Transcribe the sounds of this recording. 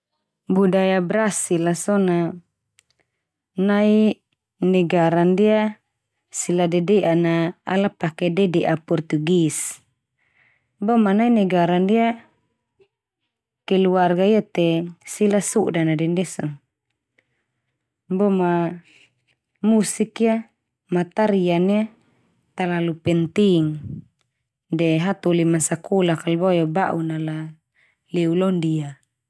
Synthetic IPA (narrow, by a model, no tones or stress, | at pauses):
budajabɾasilasɔna | nai | nɛɡaɾandia | siladɛdɛʔana̰ːlapakɛdɛdɛʔapɔrt̪uɡis | bɔmanainɛɡaɾandia | kɛluarɡaiat̪ɛsilasuʔdanadɛndɛsɔŋ | bɔma | musikia | mat̪aɾiania | t̪alalupɛnt̪iŋ | dɛɦat̪ulimasakulakalbɔjɔbaʔunala | lɛulɔndia